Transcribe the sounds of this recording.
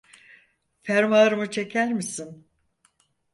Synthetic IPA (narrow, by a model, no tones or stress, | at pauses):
fæɾmaɾɯmɯt͡ʃʰe̞cʰæɾmisin